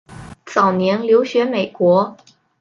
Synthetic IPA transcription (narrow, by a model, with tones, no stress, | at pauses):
t͡sɑ˨˩ʊnjɛ˧˥nljo˧˥ʊɕɥɛ˧˥me˨˩ɪkwɔ˧˥